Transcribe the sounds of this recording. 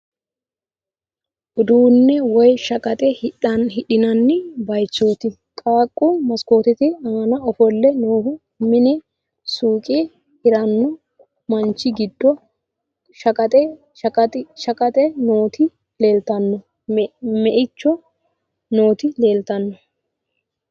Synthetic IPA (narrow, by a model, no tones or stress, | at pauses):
ʔʊd̪uːnːɛwɔjʃɐkʼɐt̪ʼɛhɐɦɪɗɪnɐnːɪbɐjt͡ʃːo̞ːt̪ɪ | kʼaːkʼːʊmɐskoːt̪ɪt̪ɪɐɐnɐɔfɔlːɛnoːhʊ | mɪnɪ | suːkʼɪ | ɪɾɐnːɔ | mɐnt͡ʃːɪɡɪd̪ːɔ | ʃɐkʼɐt̪ʼɛ | kʼɐt̪ɪʃɐkʼɐt̪ʼɛnoːt̪ɪ | leːlt̪ɐnːɔ | mɛʔɪt͡ʃːɔ | no̞ːt̪ɪle̞ːlt̪ɐnːɔ